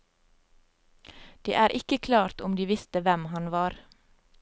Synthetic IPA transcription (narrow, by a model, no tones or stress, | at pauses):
d̪̥ḛːʔæːɾʔɪkəkʰlɑːɾt̪ʊmd̪iːʋɪst̪əʋɛmhɑnʋɑːɾ